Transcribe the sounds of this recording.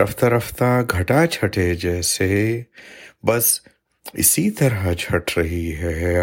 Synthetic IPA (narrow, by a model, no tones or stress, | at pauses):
ɾəft̪ɐɾəft̪aɡʱɐʈat͡ʃʰɐʈed͡ʒɛːse | bɐs | ɪ̰sit̪ɐɾət͡ʃʰɐʈɾɐɦiɦɛɛ